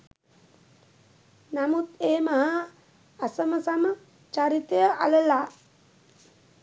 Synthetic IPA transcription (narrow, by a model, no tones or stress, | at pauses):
namut̪eːmaɦaː | səməsamə | t͡ʃaɾit̪ejəʔa̰ləlaː